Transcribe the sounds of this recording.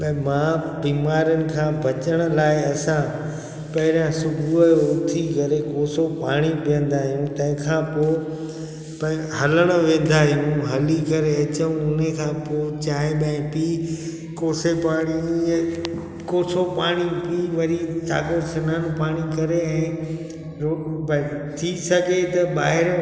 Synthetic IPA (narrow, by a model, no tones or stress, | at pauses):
ɓɐ̃mã | biːmaːɾənɪ̆kʰãːbʱɐt͡ɕəɽ̃ə̆laːɪɐsã | pɐɦɪɾjãsʊbʱuəʊt̪ʰikɐɾekoːsopa̰ːɽ̃ipijə̃n̆d̪aːɦijũt̪ɐ̃ɦɪ̃kʰãːpoː | p | ɦɐləɽ̃ə̆ʋẽːn̆d̪aːɦijũɦɐlikɐɾeɐt͡ɕəũʊnekʰãːpoːt͡ɕaːeɓɐ̃ɪ̃piː | koːsepaːɽ̃i | koːsopaːɽ̃ipiːʋɐɾita̰ːkoɾsɐnaːnũpaːɽ̃ikɐɾeɛ̃ː | ɾo | t̪ʰisɐɡʱet̪ɐɓaːɦɪɾ